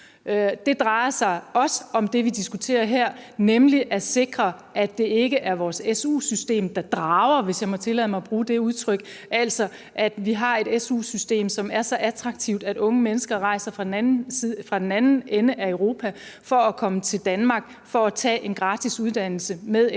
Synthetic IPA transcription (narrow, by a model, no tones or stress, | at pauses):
d̥e̝d̥ʁɑ̈ɪɐsɑ̈ɪɒ̽səɒ̽md̥e̝ʋid̥isɡ̥ut͡sʰe̝̰ːɐɦeɐ̰nemliʔæse̝ɡ̥ʁɐʔæd̥ːe̝e̝ɡ̥əʔæɐʋɒːsesṵːsysd̥e̝̰ːmd̥ɑ̈d̥ʁɑ̈ʊɐʋe̝sjɑ̈ɪmɒ̽t͡sʰe̝lɛ̰ðˠmɑ̈ɪb̥ʁuːd̥e̝uð̞ˠt͡sʰʁœɡ̥ʔæl̰sɒ̽ | ʔæd̥ʋiɦɑ̈e̝ɾ̥esṵːsysd̥e̝̰ːmsɒ̽mæɐsɒ̽ʔæt͡sʰʁɑ̈ɡ̥̚t͡sʰiʊd̥æɾ̥ɔ̽ŋəmenəsɡ̥ɐʁɑ̈ɪsɐfʁɑifʁɑ̈d̥enænn̩enəʔæøʊʁo̝ːpʰæfɒ̽ækʰɒ̽mət͡sʰe̝ld̥ænmɑ̈ːɡ̥̚ | fɒ̽æt͡sʰɛ̰ːʔe̝nɡ̥ʁɑ̈ːd̥isuð̞ˠd̥æn̰l̩səmeðˠ